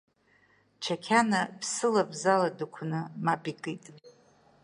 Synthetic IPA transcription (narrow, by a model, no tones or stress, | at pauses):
t͡ʃʰakʲʰanapʰsɨlabzaladɨkʷʰnɨmapʼikʼɨtʼ